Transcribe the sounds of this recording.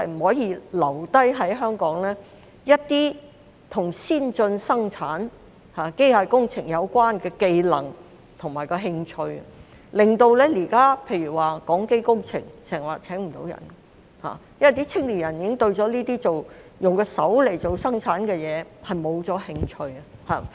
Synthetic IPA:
hɐ˨˧jm̩˨˩hɔː˨˥jiː˨˧lɐ˨˩wt̪ɐ˥jɦɐ˨˥jɦœː˥ŋkɔː˨˥ŋlɛː˥ | jɐ˥t̚t̪iː˥ | t̪ʰʊ˨˩ŋsiː˥nt͡sɵ˧nsɐ˥ŋt͡sʰaː˨˥n | haː˨ke˥jhaː˨˧˩kʊ˥ŋt͡sʰɪ˨˩ŋjɐ˨˧wkʷaː˥nkɛː˧ke˧jlɐ̰˨˩ŋ | t̪ʰʊ˨˩ŋmaː˨˩jkɔː˧ɦɪ˧ŋt͡ʃʰɵ˧ɥ | lɪ˨ŋt̪o˧wlɛː˥liː˨˩kaː˥pʰe˧jɥyː˨˩waː˨˩kɔː˨˥ŋke˥jkʊ˥ŋt͡sʰɪ˨˩ŋsɛː˨˩ŋwaː˨˩t͡sʰɛː˨˥ŋm̩˨t̪o˨˧˥wjɐ̰˨˩n | ha̰ː˨˩jɐ˥mwɐ˨˩t̪iː˥t͡sʰɪ˥ŋliː˨˩jɐ˨˩njiː˨˥ɪ˥ŋt̪ɵ˧ɥt͡sɔː˨˥liː˥t̪iː˥t͡so˨w | jʊ˨ŋkɔː˧sɐ˨˥wle˨˩jt͡so˨wsɐ˥ŋt͡sʰaː˨˥nkɛː˧jɛː˨˧hɐ˨jmo˨˧wt͡sɔː˨˥hɪ˧ŋt͡ʃʰɵ˧ɥɐ˧ha̰ː˨˩

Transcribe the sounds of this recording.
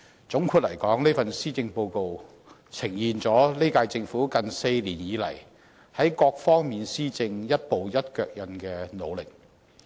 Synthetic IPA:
t͡sʊ˨˥ŋkʰu˧t̚lɐ̰˨˩jkɔː˨˥ŋliː˥fɐ˨nsiː˥t͡sɪ˧ŋpo˧wko˧w | t͡sʰɪ˨˩ŋjiː˨nt͡sɔː˨˥le˥kaː˧jt͡sɪ˧ŋfuː˨˥kɐ˨nse˧jliː˨˩njiː˨˧lɐ̰˨˩j | hɐ˨˥jkɔː˧k̚fɔː˥ŋmiː˨nsiː˥t͡sɪ˧ŋjɐ˥t̚po˨˧wjɐ˥t̚kœː˧k̚jɐ˨˧nkɛː˧no˨˧wlɪ˨k̚

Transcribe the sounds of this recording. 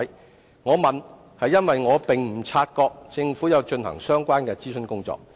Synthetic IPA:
j | ŋɔː˨˧mɐ˨n | hɐ˨jːɐ˥nwɐ˨jŋɔː˨˧pɪ˨ŋm̩˨˩t͡sʰaː˧t̚kɔː˧k̚t͡sɪ˧ŋfuː˨˥jɐ˨˧wt͡ʃɵ˧nhɐ̰˨˩ŋsœː˥ŋkʷaː˥nkɛː˧t͡siː˥sɵ˧nkʊ˥ŋt͡sɔ̰ː˧k̚

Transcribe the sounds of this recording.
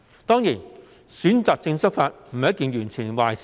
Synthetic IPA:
t̪ɔː˥ŋjiː˨˩n | syː˨˥nt͡saː˨k̚t͡sɪ˧ŋsɐ˥k̚faː˧t̚m̩˨˩˨jɐ˥t̚kiː˨˧njyː˨˩nt͡sʰiː˨˩nwa̰ː˨˩js

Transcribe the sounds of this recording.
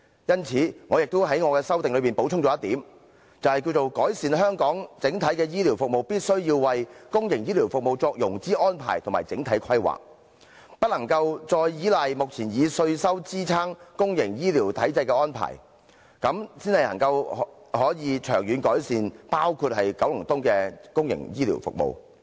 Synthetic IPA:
jɐ˥nt͡sʰiː˨˥ŋɔː˨˧jɪ˨k̚t̪o˥wɦɐ˨˥jŋɔː˨˧kɛː˧sɐ˥wt̪ɪ˨ŋlɥpiː˨npo˨˥wʰʊ˥ŋt͡sɔ˨˦jɐ˥t̪iː˨˥m | t͡sɐ˨whɐ˨jki˧wt͡so˨wkɔː˨˥jsiː˨nɦœː˥ŋkɔː˨˥ŋt͡sɪ˨˥ŋt̪ʰɐ˨˥jkɛː˧jiː˥liː˨˩wfʊ˨k̚mo˨˩wpiː˥t̚sɵ˥ɥjiː˧wwɐ˨jkʊ˥ŋjɪ˨˩ŋjiː˥liː˨˩wfʊ˨k̚mo˨wt͡sɔː˧k̚jʊ˨˩ŋt͡siː˥ʔɔː˥npʰa̰ː˨˩jt̪ʰmaː˨˩jt͡sɪ˨˥ŋt̪ʰɐ˨˥jkʰɐ˥jwa̰ː˨k̚ | pɐ˥t̚lɐ˨˩ŋkɐ˧wt͡sɔː˧jjiː˨˥lɐ˨jmʊ˨k̚t͡sʰiː˨˩njiː˨˧sɵ˧ɥsɐ˥wt͡siː˥t͡sʰaː˥ŋkʊ˥ŋjɪ˨˩ŋjiː˥liː˨˩wt̪ʰɐ˨˥jt͡sɐ˧jkɛː˧ɔː˥npʰa̰ː˨˩j | kɐ˨˥msiː˥nhɐ˨jlɐ̰˨˩ŋkɐ˧w | hɔː˨˥jiː˨˧t͡ʃʰœː˨˩ŋjyː˨˧nkɔː˨˥jsiː˧npaː˥wkʰu˧t̚hɐ˨jkɐ˨˥wlʊ˨˩ŋt̪ʊ˥ŋkɛː˧kʊ˥ŋjɪ̰˨˩ŋjiː˥lḭ˨˩wfʊ̰˨k̚mo̰˨w

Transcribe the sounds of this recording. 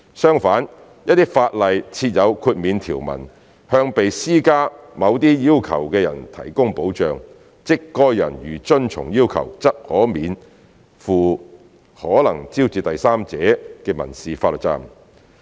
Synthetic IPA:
sœː˥ŋfaː˨˥n | jɐ˥t̚t̪iː˥faː˧t̚lɐ˨jt͡sʰiː˧t̚jɐ˨˧wkʰuː˧t̚miː˨˧nt̪ʰiː˨˩wmɐ̰˨˩n | hœː˧ŋpe˨jsiː˥kaː˥mɐ˨˧wt̪iː˥jiː˥wkʰɐ̰˨˩wkɛː˧jɐ̰˨˩nt̪ʰɐ̰˨˩jkʊ˥ŋpo˨˥wt͡ʃœː˨˧ŋ | t͡sɪ˥kːɔː˥jːɐ̰˨˩njyː˨˩t͡ʃɵ˥nt͡ʃʰʊ̰˨˩ŋjiː˥wkʰɐ̰˨˩wt͡sɐ˥p̚hɔː˨˥miː˨˧n | fuː˨˩ | hɔː˨˥lɐ˨˩ŋt͡siː˥wt͡siː˨˧t̪ɐ˨jsaː˥mt͡sɛː˨˥kɛː˧mɐ̰˨˩nsiː˨faː˧t̚lə˨t̚t͡sa̰ː˧m

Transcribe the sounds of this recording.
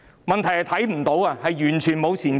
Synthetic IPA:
mɐ˨nt̪ʰɐ˨˩jhɐ˨˩t̪ʰɐ˨˥jm̩˨˩t̪o˨˥wa˧hɐ˨jjyː˨˩nt͡ʃʰyː˨˩nmo˨˧wt͡sʰiː˨˩n

